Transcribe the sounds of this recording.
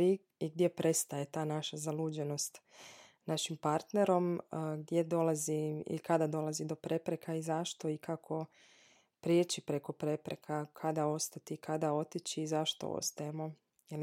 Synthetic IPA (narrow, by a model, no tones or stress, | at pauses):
i | iɡd̪je̞pɾe̞st̪aje̞t̪aːnaʃazaluːd͡ʑeno̞st̪ | naʃimpaɾt̪neɾo̞mɡd̪je̞d̪o̞laziḭkad̪ad̪o̞lˠazid̪o̞pɾe̞pɾe̞kʰaizaʃt̪o̞ikʰakʰo̞ | pɾjet͡ʃipɾe̞ko̞pɾe̞pɾekʰakʰad̪ao̞st̪at̪ikʰad̪ao̞t̪it͡ɕiːzaʃt̪o̰o̰st̪ajemo̞ | jel